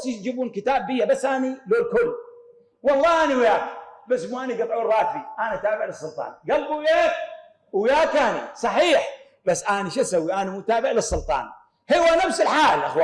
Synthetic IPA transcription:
sid͡ʒibuːnkɪt̪aːbːɪjːabasːʔaːniloːlkʊlː | wɑlˤːɑːʔaniwjaːkbasːmuʔaːniɡɨt̪ˤʕuːrˤːɑːkfiʔaniʔat̪aːbɪʕlɨsˤːʊlt̪ˤɑ̰ːnɡalbujeːk | wjaːkanḭsˤɑħiːħ | basːʔaniʃʔasawːiʔanimut̪aːbɪʕlɨsˤːʊlt̪ˤɑ̰ːn | hɪwːanafsɪlħaːlʔaxwaː

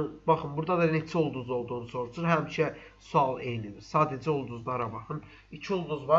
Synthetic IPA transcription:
bɑχɯnbuɾd̪ɑd̪ɑnet͡ʃʰɛolˠd̪uzo̞lˠd̪uːnuso̞ɾut͡ʃʰuɾɦæmiʃɛ | suɑlˠejnib̪iɾsɑːd̪æd͡ʒɛolˠd̪uzlˠɑɾɑbɑχɯn | icʰiolˠd̪uzvɑ

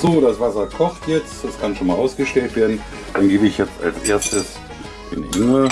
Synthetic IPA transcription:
z̥oːdasv̥asɐkʰɔχtjɛt͡std̥askʰanʃoːnmaːlʔaʊsɡ̥əʃtɛltv̥eːɐdn̩ | d̥anɡeːbəɪçjɛt͡sta̰lsʔeːɐstəs | ɪ̰nḭɪŋə

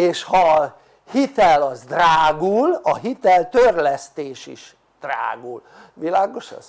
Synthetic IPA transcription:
eːʃhɒ | hit̪ɛlɒzd̪raːɡulɒɦit̪ɛlt̪ørlɛst̪eːʃḭʃ | d̪̥ra̰ːɡul | ʋilaːɡo̞ʃɒ̰z̥

